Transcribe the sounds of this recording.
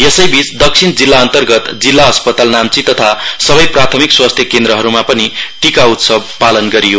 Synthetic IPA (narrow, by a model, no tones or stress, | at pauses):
jesʌjbit͡sd̪ʌk̚sʰind͡zilːaʌnt̪ʌrɡʌt̪d͡zilːaʌspʌt̪alnamt͡sit̪ʌt̪ʰasʌbʌjprat̪ʰʌmikswast̪ʰjʌkend̪ɾʌɦʌɾumapʌniʈikaut̪sʌb̚palʌnɡʌɾijo